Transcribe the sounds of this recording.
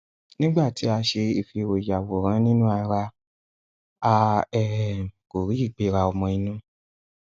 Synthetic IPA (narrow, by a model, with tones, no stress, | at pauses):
nĩ˦ɡ͡ba˦˨ti˨˦a˧ʃe˧i˦˨fi˧˨ɾo˨ja˨wo˨ɾ̃ã˨˦nĩ˦nũ˦a˧ɾa˧ | a˧ɛ˨m˨ko˨ɾi˨˦i˦˨k͡pe˨˧˦ɾa˧ɔ˧mɔ̃˧i˧nũ˦